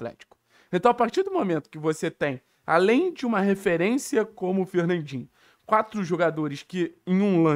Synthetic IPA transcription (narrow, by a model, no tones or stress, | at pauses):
t̪lɛ̰t͡ʃi̥kʊ̥ | ẽnt̪ɐ̃w̃apaɾt͡ʃiɾd̪ʊmomẽnt̪ʊ̥kɪvoset̪ẽj̃ | a̰lẽj̃d͡ʒɪũmɐɦefeɾẽsiɐkõmʊːfeɾnɐ̃d͡ʒĩɲ | kwat̪ɾʊʒoɡad̪oɾɪskɪẽj̃ũlɐ̃